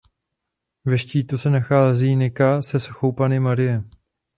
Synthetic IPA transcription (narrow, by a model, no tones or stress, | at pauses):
vɛʃciːt̪usɛnaxaːziːnɪkasɛsxowpanɪmaɾɪjɛ